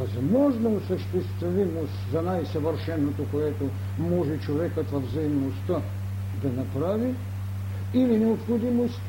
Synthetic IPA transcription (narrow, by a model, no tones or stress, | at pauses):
azamɔʒnaosɐʃt̪ɛst̪vimoszanajsavəɾʃɛnot̪okoɛt̪o | mɔʒɛt͡ʃovɛkat̪vɐvzaimnost̪a | d̪anapɾavi | ilinɛopxod̪imost̪